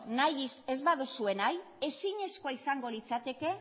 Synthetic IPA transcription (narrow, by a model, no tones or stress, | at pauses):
najise̞zβaðusue̞naj | e̞siɲe̞sko̞aisaŋɡo̞lit͡sat̪e̞ke̞